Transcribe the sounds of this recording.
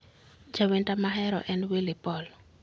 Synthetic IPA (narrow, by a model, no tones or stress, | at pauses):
d͡ʒawentamaɦɛɾɔ̰ʔɛnwelɪpɔl